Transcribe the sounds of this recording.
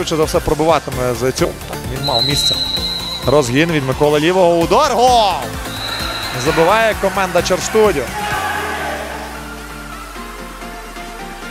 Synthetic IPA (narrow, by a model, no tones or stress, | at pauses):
ut͡ʃɛzɐwsɛpɾɔbʊʋɑt̪ɪmɛzɐt͡sʲɔt̪ɑ̰kʋʲinmɑwˠmʲisʲt̪t͡s̪ʲɛ | ɾɔzɦʲinʋʲid̪mɪkɔlˠɐlʲiʋɔɦɔʊd̪ɔrɦɔ | zɐbɪʋɑjɛkɔmɛnd̪ɐt͡ʃerst̪udʲɔ